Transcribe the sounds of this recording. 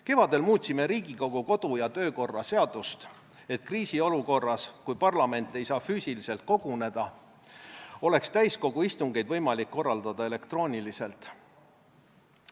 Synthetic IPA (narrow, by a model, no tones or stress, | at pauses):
ke̞vɑd̪e̞lmuːt̪ʲsime̞ɾiːɡiko̞ɡ̥uko̞d̪̥ujɑt̪ø̞ːko̞rːɑse̞ɑd̪̥ust̪ | e̞t̪̚kriːsio̞luko̞rːɑskujpɑrlɑme̞nt̪ːˑe̞jsɑːfyːsilise̞lt̪̚ko̞ɡ̥une̞d̪̥ɑ | o̞le̞kst̪æjsko̞ɡ̥uist̪uŋɡ̥e̞jd̪vɤjmɑlikːo̞rːɑld̪̥ɑd̪̥ɑe̞le̞kt̪ro̞ːnʲilise̞lt̪ˑ